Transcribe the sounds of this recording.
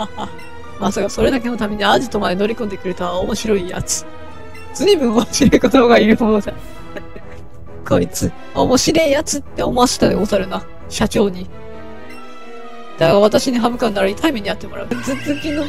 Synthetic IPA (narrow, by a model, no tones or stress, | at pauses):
haha | masaɡaso̞ɾe̞d̪ak̬e̞no̞t̪ame̞ɲ̟iaʑit̪o̞mad̪e̞no̞ɾʲikõnd̪e̞kɯ̟ɾɯ̟t̪oaomo̞ɕiɾo̞ija̰t͡sɨ̥ | t͡sɨɲibɯ̟̃ɰoɕiɾoikot̪oɡaipod̪a | kʰo̞it͡sɨ | o̞mo̞ɕiɾejat͡sɨt̪ːe̞omoasi̥t̪ad̪eozaɾɯ̟na | ɕat͡ɕo̞ːɲ̟i | d̪̥aɡaβat̪aɕiɲ̟iɦabɯ̟kãnːaɾait̪aimeɲ̟iat̪ːemo̞ɾʔa̰ɯ̟zɨzẽkʲĩnːo